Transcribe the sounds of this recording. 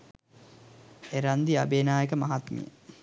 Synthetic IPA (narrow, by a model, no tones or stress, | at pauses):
eɾand̪iabeːnaːjekəmaɦat̪mḭjə̰